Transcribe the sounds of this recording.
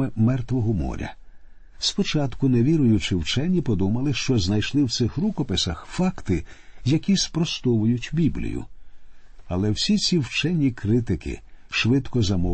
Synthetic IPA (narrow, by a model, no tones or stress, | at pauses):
ɪmɛrt̪ʋɔɦɔmɔ̰ɾʲɐ̰ | spɔt͡ʃat̪kʊneʋʲiɾʊjʊt͡ʃɪwt͡ʃɛnʲːipɔd̪umɐlˠɪʃt͡ʃɔznɐjʃlˠɪwt̪sɪxrukɔpɪsɐxfɑkt̪ɪjɐkʲispɾɔst̪ɔʋʊjʊtʲbʲiblʲḭjʊ̰ | ɐlˠɛwsʲit͡sʲiwt͡ʃɛnʲːikɾɪt̪ɪkɪ̰ʃʋɪt̪kɔzɐmɔ